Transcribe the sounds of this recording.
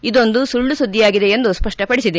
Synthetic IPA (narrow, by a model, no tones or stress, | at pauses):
id̪o̞nd̪usuɭːusud̪ʱːijaːɡid̪e̞end̪uspɐʂʈɐpɐɽisid̪e